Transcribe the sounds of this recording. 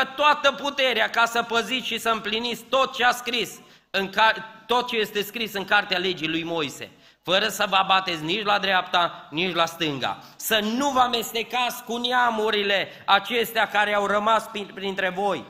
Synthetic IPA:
ət̪oat̪əput̪e̞ɾeakasəpəzit̪sʃisəɨmplinit̪sʲt̪o̞t̪̚t͡ʃeaskɾis | ɨŋkat̪o̞t̪̚t͡ʃe̞je̞st̪e̞skɾisɨŋkart̪eale̞d͡ʒilujmo̞jse̞̰ | fəɾəsəvəabat̪e̞t̪s̬ʲnit͡ʃlad̪ɾeapt̪anit͡ʃlast̪ɨŋɡa̰ | sənuvəame̞st̪e̞kat̪sʲkuneamuɾile̞ | at͡ʃe̞st̪eakaɾeawrəmasppɾint̪ɾe̞vo̞j

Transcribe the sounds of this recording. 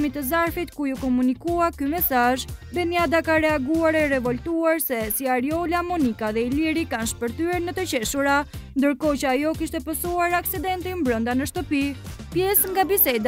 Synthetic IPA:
mit̪əzaɾfit̪kujukɔmunikuakymɛsaʒbɛnjad̪akaɾɛaɡuaɾɛrɛvɔlt̪uaɾsɛsiaɾjɔlamɔnikaðɛiliɾikanʃpəɾt̪yɛɾnət̪ət͡ɕɛʃuɾand̪əɾkɔt͡ɕəajɔkiʃt̪ɛpəsuaɾaksid̪ɛnt̪imbɾənd̪anəʃt̪əpi | pjɛsŋɡabisɛd̪a

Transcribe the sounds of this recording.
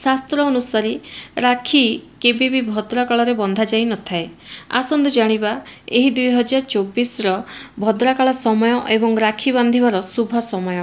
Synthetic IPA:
sast̪ɾɔːnusaɾiɾakʰikebebibʱɔd̪ɾakaɭɔɾebɔnd̪ʱad͡ʒajnɔt̪ʰaea̰sɔnd̪ud͡ʒaɽ̃ibaeɦid̪ujɦɔd͡ʒaɾɔt͡ʃobisɾɔbʱɔd̪ɾakaɭɔsɔmɔjɔʔebɔŋɾakʰiβand̪ʱibaɾɔsubʱɔsɔmɔjɔ

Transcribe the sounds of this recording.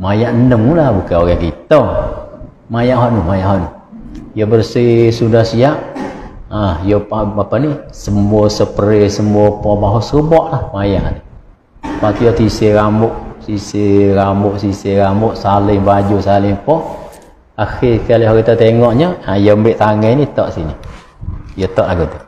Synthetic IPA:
majaʔnəmulabukaoɾɛkit̪ə | majaʔɦɔʔnumajaʔɦɔʔnu | jobərsisudahsiaʔ | ahjopaapanisəmuosəpəɾesəmuɔpɔbaɦosəkəbɔʔlahmajaʔni | paʔt̪ujot̪iseɾambʊʔsiseɾambʊʔsiseɾambʊʔsalɪŋbad͡ʒusalɪŋpɔ | axɪkaliɦoɾit̪at̪eŋɔʔɲəajombɪʔt̪aŋɛnit̪ɔʔsini | jot̪ɔʔlaɡut̪u

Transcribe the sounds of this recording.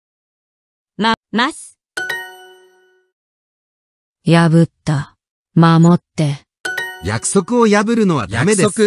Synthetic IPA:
mamasɨ̥ | jabɯ̟t̪ːa | mamot̪ːe̞ | ja̰kɯ̟̥so̞kɯ̟o̞jabɯ̟ɾɯ̟no̞β̞a̰j̪ame̞d̪ekɯ

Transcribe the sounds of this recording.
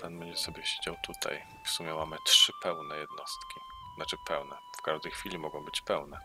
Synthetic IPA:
panbɛɲd͡ʑɛsɔbʲjɛɕed͡ʑawt̪ut̪ʰa̰j | fsumʲjɛmamɘtʂɘpɛwnɛjɛd̪nɔst̪kʲi | nat͡ʂɘpɛwnɛfkaʐd̪ɛjxfʲilʲimɔɡɔ̃w̃bɘt͡ɕpɛwnɛ

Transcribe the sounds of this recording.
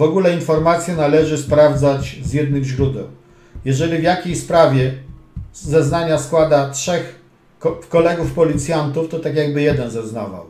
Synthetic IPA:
vɔɡulɛinfɔɾmat̪sʲjɛnalɛʐɘspɾavd̪zat͡ɕzjɛd̪nɘɣʑɾud̪ɛ̰w | jɛʐɛlʲivjakʲejspɾavʲjɛ | zɛznaɲaskwad̪atʂɛx | kɔlɛɡufpɔlʲit̪sʲjant̪uft̪ɔt̪akʲjaɡbɘjɛd̪ɛnzɛznava̰w

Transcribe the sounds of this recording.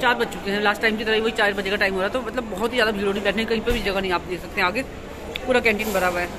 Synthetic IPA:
t͡ʃaːɾbɐt̪ːt͡ʃʊkẽɦɛ̃laːsʈːaːɪmkit̪ɐɾaɦiʋoɦit͡ʃaːɾɪɾbɐt͡ʃekaʈaːɪmɦoːɾaːɛt̪omɐt̪ləbːɔɦʊt̪ɦizjaːd̪abʱiːɾoːɽĩbɛːʈʰneikɐɦĩpebʱid͡ʒɐɡanɐɦĩaːpd̪eːkʰsɐk̚t̪eɦɛ̃aːɡe | puːɾakɛ̃ːɳʈɪːnbɐɾaːbɛː

